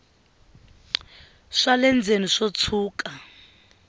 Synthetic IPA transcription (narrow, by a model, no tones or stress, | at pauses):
ʂalɛnd͡zʱeniʂot͡sʰuːkʼa